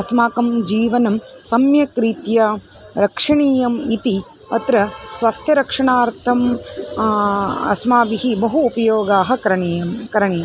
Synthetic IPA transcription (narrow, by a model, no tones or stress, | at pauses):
ɐsmaːkɐmd͡ʒiːʋɐnɐm | sɐmjɐkɾiːt̪jɐ | ɾɐkʂɐɳiːjɐmit̪i | ɐt̪ɾɐsʋɐst̪ʰjɐɾɐkʂɐɳaːɾt̪ʰɐm | ɐ̰smaːbiɦibɐɦuːpɐjoːɡaːɦɐ̆kɾɐɳeːjɐmkɐɾɐɳejɐm